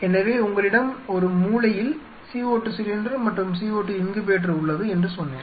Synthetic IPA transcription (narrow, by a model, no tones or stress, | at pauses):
ɛnːɐʋeːʊŋɡɐɭɪɽɐmɔɾɯmuːlɐjɪl | siːoːʈːɯsɪlɪnɖɐɾmɐʈːrɯmsiːoːʈːɯɪnɡɯpeːʈ̬rɐʊɭːɐðɯɛndrɯsɔnːḛː